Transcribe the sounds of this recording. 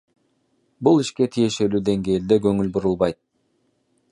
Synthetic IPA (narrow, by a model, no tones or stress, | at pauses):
bulˠiʃke̞t̪ʰije̞ʃe̞lyːd̪e̞ŋɡe̞ːld̪eɡøŋylbuɾulˠβɑjt̪̚